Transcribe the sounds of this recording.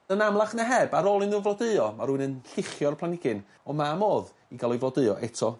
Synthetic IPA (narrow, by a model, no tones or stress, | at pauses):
ənamlˠaχnəɦɛbaɾɔlˠɨnuvlˠɔdɨɔmaɾuɨnənɬɪχjɔrpʰlˠanɪɡɪn | ɔmamoːð | iɡalˠʊvlɔdɨɔʔɛtʰɔ